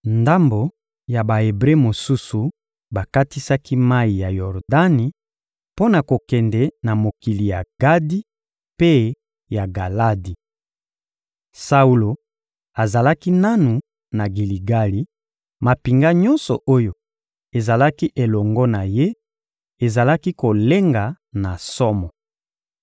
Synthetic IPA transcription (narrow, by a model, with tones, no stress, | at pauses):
nda˦mbo˨ | ja˨ba˨e˨bʁe˦mo˨su˦su˨ | ba˨ka˦ti˦sa˦ki˦ma˦i˨ja˨jɔ˨ʁda˦ni˨ | po˦na˨ko˨kɛ˨ndɛ˨na˨mo˨ki˨li˨ja˨ɡ̥a˦di˦ | pe˦ | ja˨ɡa˨la˦di˨ | sa˦u˦lo˨ | a˨za˨la˦ki˦na˦nu˨ | na˨ɡi˨li˨ɡa˦li˨ | ma˨pi˨ŋɡa˦ɲɔ̃˦nsɔ˨o˦jo˨ | e˨za˨la˦ki˦ʔe˨lɔ˨ŋɡɔ˦na˨je˦ | e˨za˨la˦ki˦ko˨le˦ŋɡa˨ | na˨sɔ˦mɔ˨